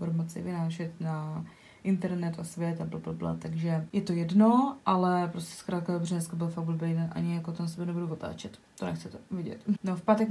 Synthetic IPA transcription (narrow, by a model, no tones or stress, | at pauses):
foɾmat͡sɪ̰vɪnaːʃɛt̪na | ʔɪnt̪ɛɾnɛt̪ʔosvjɛt̪ablablabla̰t̪aɡʒɛjɛt̪o̞jɛdnoʔalɛpɾoscʲɛ̥skɾaːt̪̚kadobrɛnɛskabɪlfaɡvləbɛjnaʔa̰ɲɪjakot̪onasɛbɛnɛvɾuvot̪a̰ːt͡ʃɛt̪ | t̪onɛ̰xt͡sɛt̪ɛvɪɟɛ̰t̪nofpaːt̪ɛk